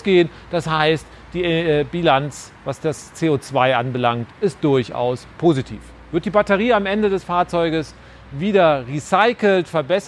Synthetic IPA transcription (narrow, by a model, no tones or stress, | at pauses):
ɡ̥eːən | d̥ashaɪst | d̥iːbilant͡s | vasd̥ast͡seːoːt͡sv̥aɪʔanbəlaŋktʔɪst̚d̥ʊɐça̰ʊspʰoːzitʰḭːf | v̥ɪɐt̚d̥iːbatəʁiːamʔɛndədɛsfaːɐt͡sɔʏɡəs | viːdɐʁisaɪkl̩tfɛɐbɛs